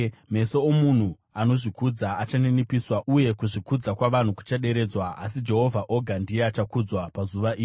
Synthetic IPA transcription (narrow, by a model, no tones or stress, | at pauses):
me̞so̞omun̤u | ano̞ʐikud͡zaat͡ʃanenipiswauje̞kuʐikud͡zakwaʋan̤uku̥t͡ʃaɗe̞ɾe̞ːd͡zwaːs̬id͡ʒe̞ɦo̞vʱaʔo̞ɡʱandijeat͡ʃakud͡zwapazuʋaʔiːi